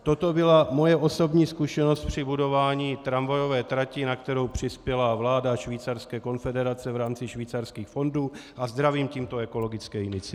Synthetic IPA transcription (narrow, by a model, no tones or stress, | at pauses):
t̪o̞t̪o̞bɪlamo̞jɛʔo̞so̞bɲiːskuʃɛno̞st̪̚pr̝̥ɪbudo̞vaːɲiːt̪ɾamvajo̞vɛːt̪ɾacɪnakt̪ɛɾo̞wpr̝̥ɪspjɛlavlaːdaʃviːt͡sarskɛːko̞nfɛdɛɾat͡sɛvɾaːmt͡sɪʃviːt͡sarskiːxfo̞nduːʔazd̪ɾaviːmciːmt̪o̞ɛko̞lo̞ɡɪt͡skɛːɪnɪt͡sɪ